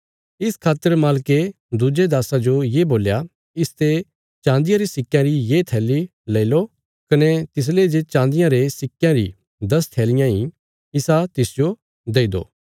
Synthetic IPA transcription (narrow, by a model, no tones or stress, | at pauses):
ɪskʰaːt̪ːəɾmaːlke | d̪ʊd͡ʒed̪aːsad͡ʒojeːboːlja | ɪst̪e | t͡ʃãːnd̪ɪjãɾisɪkːjãɾijeːt̪ʰɛːlileːlo | kɐnet̪ɪs̬led͡ʒet͡ʃãːnd̪ɪjãɾesɪkːjãɾḭ | d̪ɐst̪ʰɛːlɪjãi | ɪsat̪ɪsd͡ʒo | d̪eːid̪o̰ː